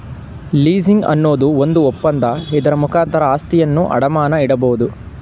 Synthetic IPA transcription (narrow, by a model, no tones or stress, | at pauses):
liːziŋɡɐ̰nːo̞ːd̪uond̪uɔpːɐnd̪ɐɛd̪ɐɾɐmukʰaːnt̪ʰɐɾɐaːst̪ijɐnːuʔɐ̰ɽɐmaːnɐiɽɐboːud̪u